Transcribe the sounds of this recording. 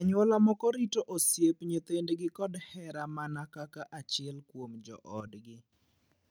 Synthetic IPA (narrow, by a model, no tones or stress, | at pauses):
aɲwɔlamɔkɔɾitoʔosjepɲet̪endɡɪkɔdhɛɾamanakakaʔat͡ʃɪɛlkwomd͡ʒɔ̰ʔɔdɡɪ